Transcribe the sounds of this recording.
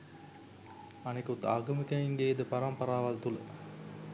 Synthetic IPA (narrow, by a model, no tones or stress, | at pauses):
ɐnekut̪ːaːɡɐmikɐiŋɡeed̪əpɐɾɐmpɐɾaːʋɐlt̪ulɐ̰